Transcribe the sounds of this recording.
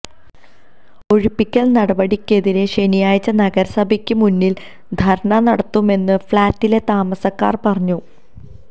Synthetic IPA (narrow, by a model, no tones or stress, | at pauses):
o̞ɻipːikʲːɐɭnɐɽɐbɐɽikʲːe̞ðiɾe̞ʂe̞nijaːjt͡ɕːɐnɐɡɐɾɐsɐbʱɐkʲːɨmunːil | d̪ʱɐɾɐɳɐnɐɽɐt̪ːume̞nːɨfɭaːtːile̞t̪aːmɐsɐkːa̰ːrpɐrɐɲːu